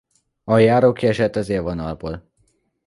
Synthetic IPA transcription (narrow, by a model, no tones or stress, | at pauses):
ɒjaːɾoːkːiɛʃɛt̪ːɒzeːlvonɒlboːl